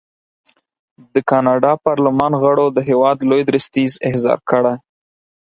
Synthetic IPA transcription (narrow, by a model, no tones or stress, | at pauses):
d̪əkɑnɑɖɑpɑɾlɪmɑnɣəɽod̪əɦewɑd̪lojd̪ɾəst̪izɪhzɑ̰ɾkəɽaj